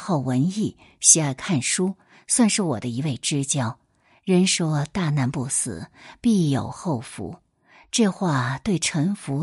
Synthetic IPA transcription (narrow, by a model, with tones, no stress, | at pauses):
xɑ˥˩ʊwə˧˥ni˥˩ | ɕi˧˥a˥˧ɪkʰa˥˩nʂu˥ | swa˥˧nʂɻ̩˥˩wɔ̰˨˩d̪ə˦i˧˥we˥˩ɪʈ͡ʂɻ̩˥t͡ɕjɑ˥˩ʊ | ɻə˧˥nʂwɔ˥t̪a˥˧na˥˧npu˥˩sɹ̩̰˨˩˦pi˥˩jo˨˩ʊxo˥˩ʊfṵ˧˥ | ʈ͡ʂɤ˥˧xwa˥˩t̪we˥˩ɪʈ͡ʂʰɤ˧˥ŋfu˧˥